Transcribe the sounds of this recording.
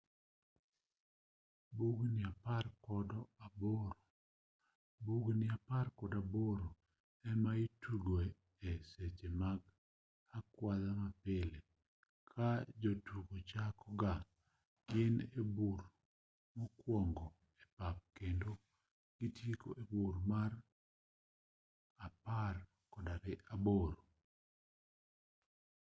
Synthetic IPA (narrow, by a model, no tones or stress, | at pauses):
buɡnɪaparkɔdɔaboɾo | buɡnɪaparkɔdaboɾo | ɛmaituɡoe | ɛset͡ʃemaɡ | akwaðamapɪle | kʰad͡ʒotuɡot͡ʃakɔɡa | ɡɪnebuɾ | mokwɔŋɡɔ | ɛpap̚kendo | ɡ̥itjiko̰ʔebuɾmar | apar | kɔdaɾɪʔaboɾo